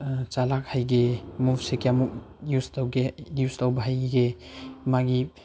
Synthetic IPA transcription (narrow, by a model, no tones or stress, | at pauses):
t͡ʃalakhajɡemubsekeamuk̚ | justawɡejustawbaɦajɡemaɡi